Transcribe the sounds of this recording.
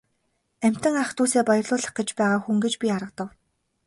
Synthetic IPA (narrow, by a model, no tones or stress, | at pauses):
æm̥ʲt̪ɘ̆ŋaχt̪uːseːpɔjɞ̆rɮʊːɮə̆χɡĕt͡ɕpæːʁaːxuŋɡet͡ɕpʲiaɾə̆q̚t̪ə̆w